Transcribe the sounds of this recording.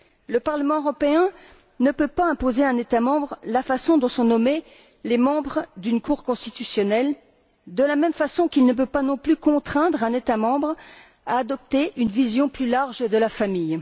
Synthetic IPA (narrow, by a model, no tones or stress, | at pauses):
ləpaʁləmɑ̃øʁɔpeɛ̃ | nəpøpaɛ̃pozeɛ̃net̪amɑ̃bʁlafasɔ̃d̪ɔ̃sɔ̃nɔme | lemɑ̃bʁd̪ynkuʁkɔ̃st̪it̪ysjɔnɛl | d̪əlamɛmfasɔ̃kʲilnəp̬øpanɔ̃plykɔ̃t̪χɛ̃d̪ʁɛ̃net̪amɑ̃bʁ | a̰ːd̪ɔp̚t̪eynvizjɔ̃plylaʁʒd̪əlafamij